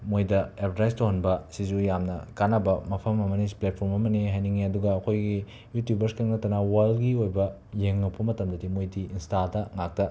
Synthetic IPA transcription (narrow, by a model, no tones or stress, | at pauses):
mojdɐepʰɾajstohɐnbɐsizujamnɐkanɐbɐmɐpʰɐmɐmɐnisplet̚pʰoɾmɐmɐniɦajniŋiɐduɡɐːkʰojɡi | jutjubɐɾskeŋnɐtːɐnɐwɐlɡiojbɐ | jeŋːɐpʰːɐmɐtɐmdɐdimojdiinstadɐŋak̚tɐ